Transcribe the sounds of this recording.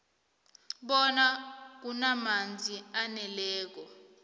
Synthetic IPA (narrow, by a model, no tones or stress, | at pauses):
ɓɔnak̬unamand͡zʱianɛlɛːk̬ɔ